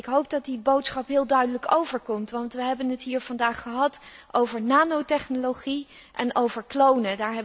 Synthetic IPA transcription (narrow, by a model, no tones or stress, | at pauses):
ɪkɦowp̚dɑt̚dibowtsχɑpɦɪːlˠdœɥdələkowvəɹkɔmtʋɑntʋəɦɛbənɦətɦiːɹv̥ɑndaːχəɦɑtʔowvəɹnaːnowtɛχnoloχi | ʔɛ̰nʔowvəɹklownədaːɹɦɛ